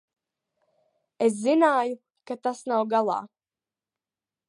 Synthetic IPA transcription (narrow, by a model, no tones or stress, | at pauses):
es̬zinaːju | kat̪asnawɡalˠɑ̰ː